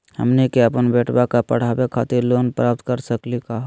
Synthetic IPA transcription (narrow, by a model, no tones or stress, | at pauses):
hə̰mnikeəpənbeʈbakapə̰ɽ̤abekʰat̪iɾloːnpɾap̚t̪kəɾsəklikaɦ